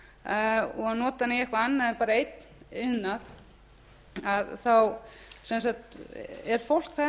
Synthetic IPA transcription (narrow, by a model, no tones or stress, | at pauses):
ɔɣaðnɔːt̪aniɛhkvaanːaðɛpaːɾaejt̪n | ɪnːað | aðθaw | sɛnsakt̪ɛɾ̥fowl̥kθɛ